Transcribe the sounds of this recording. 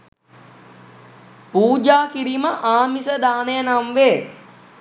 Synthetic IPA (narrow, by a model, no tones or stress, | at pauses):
puːd͡ʒaːkiɾiməʔaːmisəd̪aːnejənamʋe